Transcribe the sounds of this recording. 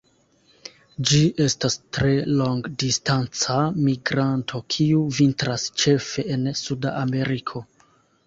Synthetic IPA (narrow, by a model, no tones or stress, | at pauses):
d͡ʒiʔe̞stastɾe̞lo̞ŋɡdistant͡samiɡɾantʰo̞kʰiuvintɾast͡ʃe̞fe̞ʔːnsuda̰ʔːme̞ɾikʰo̞